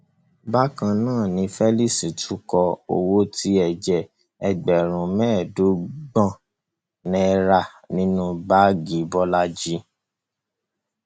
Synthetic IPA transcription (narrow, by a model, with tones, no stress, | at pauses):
ba˦kã˧nãː˦˨nĩ˧fɛ˦li˦˨si˨tʰu˨˦kɔ˧o̰˨wo˦ti˨˦ɛ˨d͡ʒɛ˨ | ɛ˧ɡ͡bɛ˨ɾ̃ũ˨mɛ̃ː˦˨do˨˦ɡ͡bɔ̃˦˨ | nɛ̃˧˦ɾa˦˨ | nĩ˦nũ˦ba˦ɡi˨˦bɔ˦la˦d͡ʒi˦